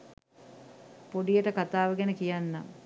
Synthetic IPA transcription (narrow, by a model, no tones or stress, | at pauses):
poɖijəʈəkat̪aːʋəɡɛnəkijanːa̰